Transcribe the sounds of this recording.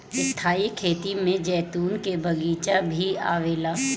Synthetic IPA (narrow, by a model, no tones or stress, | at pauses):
ɪst̪ʰaːikʰeːt̪imẽd͡ʒɛːt̪uːnkebʱɐɡiːt͡ʃabʱia̰ːʋeːlaː